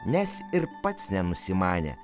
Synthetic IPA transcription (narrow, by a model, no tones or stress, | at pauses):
nʲɛsɪɾpɐt̪snʲɛnʊsʲɪmɑːnʲḛː